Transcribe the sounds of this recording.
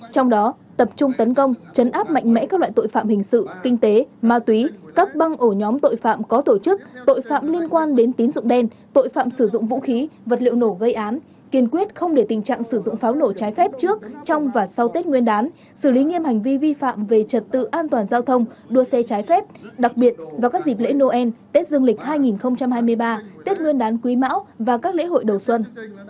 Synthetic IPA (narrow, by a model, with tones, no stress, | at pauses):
t͡ɕɔ˧wŋ͡mɗɔ˨˦ | t̪ə˨˩p̚t͡ɕʊ˧ŋ͡mt̪ə˨˦nkə˧wŋ͡mt͡ɕə˨˦nʔaː˦˥p̚ma̰˧˨jŋ̟mɛ̰˧˥kaː˦˥k̚la̰ː˧˨jt̪o̰˧˨jfa̰ː˧˨mhï˨˩ŋ̟sɨ̰˧˨kï˧ŋ̟t̪e˨˦maː˧t̪wi˨˦kaː˦˥k̚ɓa˧ŋʔo˧˩ɲɔ˨˦mt̪o̰˧˨jfa̰ː˧˨mkɔ˨˦t̪o˧˩t͡ɕɨ˦˥k̚t̪o̰˧˨jfa̰ː˧˨mli˧ənkwaː˧nɗe˨˦nt̪i˨˦ənzʊ̰˧˨ŋ͡mɗɛ˧n | t̪o̰˧˨jfa̰ː˧˨msɨ˧˩zʊ̰˧˨ŋ͡mvṵ˧˥xi˨˦və˨˩t̚lḭ˧˨əwno˧˩ɣə˧jʔaː˨˦n | ki˧˩ənkwi˦˥ət̚xə˧wŋ͡mɗe˧˩t̪ï˨˩ŋ̟t͡ɕa̰ː˧˨ŋsɨ˧˩zʊ̰˧˨ŋ͡mfaː˨˦wno˧˩t͡ɕaː˨˦jfɛ˦˥p̚t͡ɕɨ˦˥ək̚t͡ɕɔ˧wŋ͡mvaː˨˩sa˧wt̪e˦˥t̚ŋwi˧ənɗaː˨˦n | sɨ˧˩li˨˦ŋi˧əmha˨˩jŋ̟vi˧vi˧fa̰ː˧˨mve˨˩t͡ɕə˨˩t̚t̪ɨ̰˧˨ʔaː˧nt̪waː˨˩nzaː˧wt̪ʰə˧wŋ͡mɗu˧əsɛ˧t͡ɕaː˨˦jfɛ˦˥p̚ɗa˨˩k̚ɓi˨˩ət̚vaː˨˩kaː˦˥k̚zi˨˩p̬̚lḛ˧˥no˧ʔɛ˧nt̪e˦˥t̚zɨ˧əŋlï˨˩k̟̚ɦaː˧jŋi˨˩nxə˧wŋ͡mt͡ɕa˧mhaː˧jmɨ˧əjɓaː˧t̪e˦˥t̚ŋwi˧ənɗaː˨˦nkwi˨˦ma̰ː˧˥wvaː˨˩kaː˦˥k̚lḛ˧˥ɦo̰˧˨jɗə˨˩wswə˧n